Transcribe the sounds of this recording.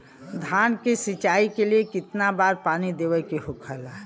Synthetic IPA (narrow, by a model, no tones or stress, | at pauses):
d̪ʱaːnkesit͡ʃaːikeliekɪt̪nabaːɾpaːnid̪eːʋəkeɦʊkʰəlaɦ